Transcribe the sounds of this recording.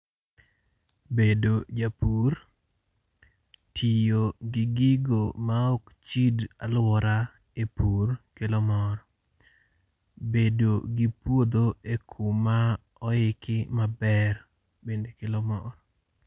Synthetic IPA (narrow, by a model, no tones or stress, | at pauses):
bedod͡ʒapur | tʰijoɡɪɡɪɡomaɔkt͡ʃidalwɔɾa | epurkelɔmɔɾɔ | bedoɡɪpwod̪oekʰuma | ɔɪkɪmabɛr | bendekelɔmɔɾɔ